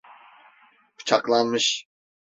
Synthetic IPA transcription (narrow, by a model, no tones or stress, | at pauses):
pʰɯ̥t͡ʃʰaklˠanmɯʃ